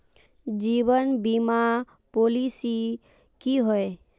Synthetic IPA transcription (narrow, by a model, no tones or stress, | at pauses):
d͡ʒiːʋənbima | polisi | kiɦoe